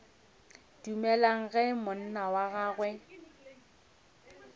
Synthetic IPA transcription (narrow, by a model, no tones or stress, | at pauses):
d̥umɛlaŋ̩ɣɛmʊn̩nawaɣaːɣwɛ